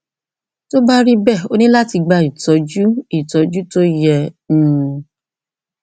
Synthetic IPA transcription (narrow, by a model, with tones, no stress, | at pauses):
to˦ba˦ɾi˦bɛ˦˨o˦nĩ˦la˦ti˧ɡ͡ba˧˨i˨tɔ˨˦d͡ʒu˦i˦˨tɔ˨˦d͡ʒu˦to˦jɛ̃˧˨˦